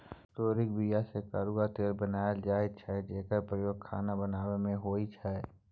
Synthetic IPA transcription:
t̪oːɾɪkbijasekaːɾuɡat̪eːɾbənaːjəld͡ʒaːet͡ʃʰɛd͡ʒeːkəɾpɾəjoːɡ̚kʰaːnabənaːwemẽɦoːit͡ʃʰɛ

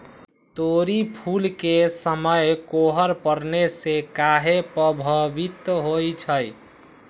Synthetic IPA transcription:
t̪oɾipʰulkesəməjkoɦəɾpəɾnesekaɦepəbʱəʋit̪ɦojt͡ʃʰəj

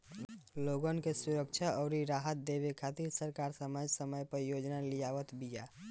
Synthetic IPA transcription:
loɡənkesuɾəkt͡ʃʰaɔʊɾiɾaɦət̪̚d̪ebekʰat̪iɾsəɾkaɾsəməd͡ʒsəməjpəɾjod͡ʒnalijaʋət̪bija

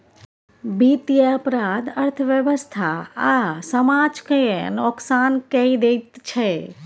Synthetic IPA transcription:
bit̪jəəpɾad̪əɾt̪ʰəʋjəʋəst̪ʰaasəmad͡ʒkəjḛnɔksankəid̪et̪t͡ʃʰe

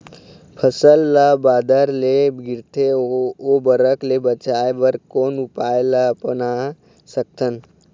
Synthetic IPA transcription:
pʰəsəlːabaːd̪əɾleɡɪɾt̪ʰeobəɾəklebət͡ʃaːjebəɾkoːnʊpaːjlapəna | sək̚t̪ʰən

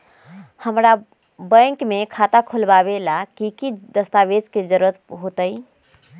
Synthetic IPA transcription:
həmɾa | bə̃kmekʰat̪akʰulbaβelakikid̪əst̪abed͡ʒked͡ʒəɾuɾət̪̚ɦot̪əj

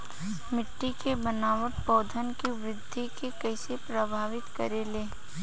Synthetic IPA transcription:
mɪʈːikebənaːʋəʈ̚pɔːd̪ʱənkiʋɾɪd̪ʱːikekɐɪsepɾəbʱaːʋɪt̪kəɾeleː

